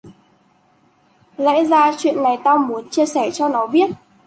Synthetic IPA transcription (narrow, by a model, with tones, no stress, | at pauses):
za̰˧˥zaː˧t͡ɕwḭ˧˨ənːa˨˩jt̪aː˧wmu˨˦ənt͡ɕi˧əsɛ˧˩t͡ɕɔ˧nɔ˨˦ɓi˦˥ət̚